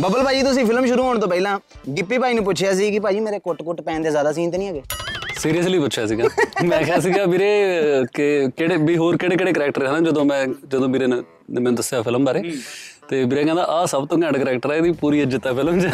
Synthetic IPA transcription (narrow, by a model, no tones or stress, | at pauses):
bəbəlpaːd͡ʒiːt̪ʊs̬ĩːpʰɪlmʃʊɾuːɦoːɳ̃t̪õːpəilãː | ɡɪpːiːpaːiːnũːp̬ʊt͡ʃʰjaːsiːkɪpaːd͡ʒiːmeːɾeːkʊʈkʊʈpɛ̃ːnd̪eːzjaːd̪aːs̬ĩːnt̪eːnĩːaːɡeːsiːɾijəsliːpʊːʃʰjaːsiːɡamɛ̃ːkʰaːs̬iːɡaːbiːɾeːkɪkeːɽeːbiːɦoːɾkeːɽeːkeːɽeːkəɾɛːk̚ʈəɾɛnãːd͡ʒəd̪õːmɛ̃ːd͡ʒəd̪õːbiːɾeːn | mɛ̃ːd̪əsːjaːpʰɪləmbaɾeːt̪eːbiːɾẽːkɛ̃ːd̪a̰ːʔaːsəbt̪õːkɛ̃ːɳɖkəɾɛːkʈəɾaːd̪iːpuːɾiːəd͡ʒət̪ːaːpʰɪld͡ʒ